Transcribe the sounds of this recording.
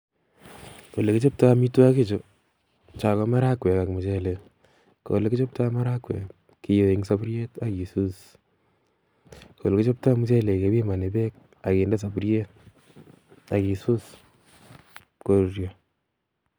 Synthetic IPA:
ko˨le˨ki˦t͡ʃo˦p̚to˦a˧mi˦tu˦a˦ke˦t͡ʃo˨ | t͡ʃa˨kɔ˦ma˦ɾa˦kwe˨ka˨kmu˨t͡ʃe˦le˨ | ko̰le˦ki˦t͡ʃo˦p̚ta˦ma˦ɾa˦kwḛ˨ | ki˨jo˨i˨ŋsa˦pɾje˦ta˨ki˨su˦s | kʰo̰˨le˨kɪ˦t͡ʃo˦p̚ta˦mu˦t͡ʃe˦le˨ke˦wi˦ma˨ne˨be˦k̚ | a˨ki˨nde˦s̬a˨pɾje˦t̚ | a˨ki˨su˦s | ko˦ɾuɾjɔ

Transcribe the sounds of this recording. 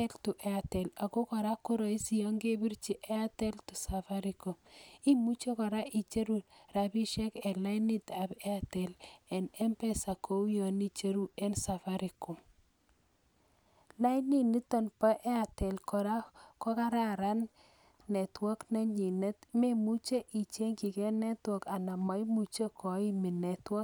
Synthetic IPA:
ɛ˦ltʊ˨ʔɛ˨a˨tɛ˨la˨ko˦kɔ˨ɾa˦ku˦ɾɔ˨i˦si˨ɔ˦ŋɡe˦bi˦ɾt͡ʃi˦ʔɛ˦a˦tɛ˦ltʊ˨sa˨fa˦ɾi˨ko˨i˦mu˦t͡ʃe˦kɔ˨ɾa˦ʔi˨t͡ʃe˦ɾu˨ɾa˨bi˦ʃɛ˦kɛ˨la˦ini˦ta˨bɛ˦a˨tɛ˨lɛ˨nɛ˦mpɛ˦sa˨kʰo˦u˦jɔ˨ni˦t͡ʃe˦ɾu˦ɛ˦nsa˨fa˦ɾi˨ko˨ | la˦ɪ˦ni˦ni˦t̪ɔ˨npa˦ʔɛ˦a˨tɛ˨lkɔ˨ɾa˦kɔ˦ka˦ɾa˦ɾa˦nː | ɛ˨twɔ˦kna˦ɲi˨ne˦t̪me˦mu˦t͡ʃe˦ʔi˨t͡ʃe˦ŋki˨ke˦nɛ˦twɔ˦˨ka˨na˨ma˨i˦mu˨t͡ʃe˦kʰɔ˨i˦mi˨nɛ˨twɔ˦

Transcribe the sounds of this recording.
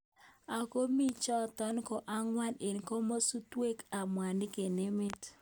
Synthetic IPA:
a˨ko˦mi˦t͡ʃɔ˦tɔ˦nkɔ˨ʔa˦ŋwa˦ne˨nko˦mo˦su˦twe˦ka˨mwa˨nɪ˦ke˨ne˦mɪ˦t

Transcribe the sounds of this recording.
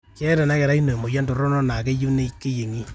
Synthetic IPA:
kɛ˦dɛ˨na˦kɛ˨ɾa˦i˦no˨mo˨ja˦ndo˨ɾɔ˦nɔ˦na˨ke˦ju˦ne˦ke˦je˨ŋi˦

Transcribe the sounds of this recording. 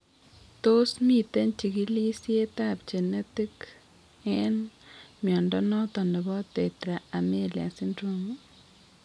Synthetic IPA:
to˦smi˦˨te˦nt͡ʃi˨ki˦li˦sje˦ta˦p̚t͡ʃe˨ne˦ti˦k | ɛnmjɔ˨ndɔ˦nɔ˦tɔ˨ne˨bɔ˦te˨tɾa˨a˨me˦˨lja̰˨si˦ndɾo˦mu

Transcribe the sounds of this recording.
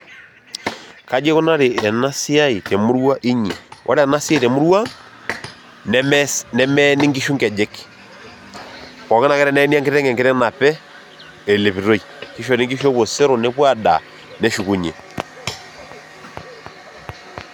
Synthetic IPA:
ka˦d͡ʒe˦ko˦na˦ɾe˨ɛ˨na˦si˦a˦i˨tɛ˨mu˦ɾwa˦ʔi˦ɲi˨wʔɔ̰˦ɾɛ˦a˨na˦sja˦i˨tɛ˨mu˦ɾwa˦ | nɛ˦mɛnɛ˦mɛ˦ni˦ŋɡi˦ʃu˦ŋɡɛ˨d͡ʒe˦k | pɔ˨kɛ˦na˨kɛ˦ɾɛ˦nɛ˨˦ni˦a˦ŋɡe˦tɛ˦ŋɡɛ˨ŋɡe˦tɛ˦na˨pɛ˦ | ɛ˨le˨βi˨ɾo˦i˨ki˦ʃ̬o˨ɾe˦ŋɡi˦ʃo˦βo˨sɛ˦ɾo˨ne˦pwa˦da̰˨ | nɛ˨ʃu˨ku˨ɲḛ˨

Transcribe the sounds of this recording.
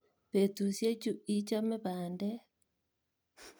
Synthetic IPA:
pe˨tu˨sje˦t͡ʃu˦i˦t͡ʃɔ˦me˦βaː˨ndɛ˦

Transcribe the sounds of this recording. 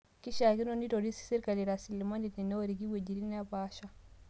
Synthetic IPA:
ki˦ʃa˨ki˦no˦ni˦to˨di˦si̥˦si˦ɾka˨li˨ɾa˨si˨lma˦ni˨tni˨no˦ɾi˨ɡi˦we˨d͡ʒi˨ɾi˦n˦a˦pa˦ʃa˦

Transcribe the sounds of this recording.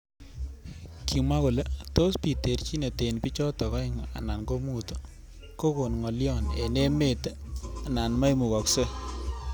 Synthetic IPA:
ki˨mwa˦ko˨le˦to˦spi˨te˨ɾt͡ʃi˦ne˨te˨npi˦t͡ʃɔ˦tɔ˨kɔ˦ɪ˦ŋa̰˨na˨nko˦mu˦t | ko˦ko˨nŋɔ˨ljɔ˦˨nḛ˨ne˦me˨ta˨na˨nma˦jmu˨kɔ˨kse˦

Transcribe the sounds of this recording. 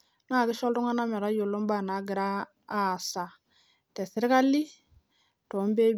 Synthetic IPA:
na˦˨ki˦ʃɔ˦ltɔ˦ŋa˦na˦mɛ˨ɾa˦jo˨lo˦m˦ba˨na˨ɡi˨ɾaː˦˨ | sa˨ | tɛ˨si˦ɾi˦ka˦li˦ | to˨˦m˦be˦

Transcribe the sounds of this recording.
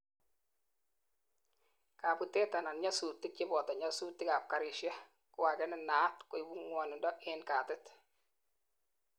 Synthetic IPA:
ka˨pu˨te˦ta˨na˨nɲa˦su˨tːɪ˦t͡ʃɪ˦bɔ˨ta˨ɲa˦su˦tːɪ˦ka˨p̚ka˨ɾɪ˨ʃja˦ | kʊ˦wa˨kɛ˦nɪ˦naː˨˦tkʊ˨ɪ˨bu˦ŋwɔ˨nɪ˨ndɔ˦ʔɪ˦nka˨tɪ˦t

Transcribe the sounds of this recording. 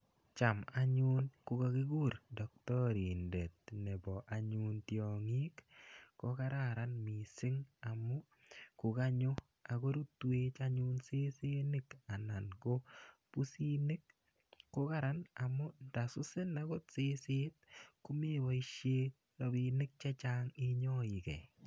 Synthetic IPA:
t͡ʃa˨ma˦ɲʊ˦nkʊ˨ka˨kɪ˦ɡu˦ɾdɔ˨k̚tɔ˦ɾi˨ndɛ˨tnɛ˨bɔ˨ʔa˨ɲu˦ntjɔ˨ŋi˦kko˦ka˦ɾaɾa˦nmi˨sɪ˦ŋa˨mɔ˦ | kʊ˨ka˦ɲo˦ | a˨ɡo˦ɾu˦twe˦t͡ʃa˦ɲʊ˦nse˦se˦nɪ˦ka˨na˨nko˦pu˦si˦nɪ˦k | ko˦ka˦ɾa˦na˨mʊ˦da˨sʊ˦sɪ˦na˦ɡo˦tse˦se˦t̚ku˦mi˦wɔ˦i˦ʃje˦ | ɾɔ˦bi˨nɪ˦k̚t͡ʃɛ˦t͡ʃa˦ŋɪ˦ɲɔ˦i˨kɛ̰˨

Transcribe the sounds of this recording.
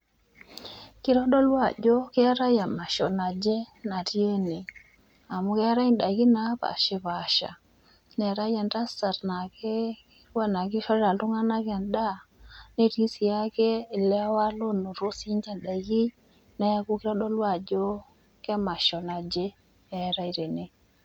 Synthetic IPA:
ki˦ɾɔ˦ɗo˦lwa˦˨d͡ʒo˦kɛ˦a˦ɾa˦ja˨ma˨ʃɔ˨na˨d͡ʒe˦na˨tje˦ni˨ | a˨mu˦ke˦a˦ɾa˦i˦nɗa˨ɡi˦na˦pa̰˨ʃe˦pa˨ʃa̰˨ | ne˨ɾa˦ja˨nɾa˦sa˨ɾna˨ke˦ | wa˦na˨ki˦ʃɔ˦ɾa˨lu˦ŋa˦na˦ka˨nda˦ne˦ɾi˦si˨ja˦ke˦˨lɛ˦wa˦lo˦no˨ɾo˦si˦ɲd͡ʒa˦nɗa˨ɡi˦ | na˦ku˦kɪ˦ɾɔ˦ɗɔ˦lwa˦˨d͡ʒo˦ | kma˨ʃɔ˨na˨d͡ʒe˦ | e˨ɾa˦i˨ɾe˨ne˨

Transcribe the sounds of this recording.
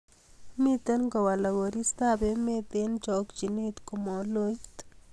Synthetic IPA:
mi˦t̪ə˦nɡɔ˨wa˨la˨ɡo˨ɾi˦st̪abe˨me˦t̪e˦nt͡ʃɔ˨kd͡ʒi˨ne˦t̪ko˨mɔ˨lo˦jt̪

